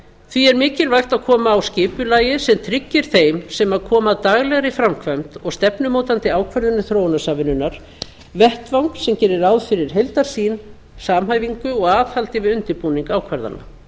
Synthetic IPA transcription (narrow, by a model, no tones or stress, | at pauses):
θviɛɾmɪːcɪlvajxt̪aðkʰɔːmaːwscɪːpʏlaːjɪsɛmt̪ʰɾɪcːɪɾ̥θejmsɛmaðkʰɔːmaðt̪aɣlɛɣɾɪfɾamkʰvœmt̪ɔɣst̪ɛpnʏmoːwt̪ant̪ɪaːwkʰvɛɾðʏnːʏθɾoːwnasaːvɪnːʏnːaɾ̥ | vɛht̪vawŋksɛmcɛːɾɪɾawðfɪɾɪɾ̥ɦejlt̪aɾ̥siːn | saːmɦaːjviŋkʏɔɣaːðhalt̪ɪvɪðʏnt̪ɪɾpuniŋkaːwkʰvɛɾða̰na̰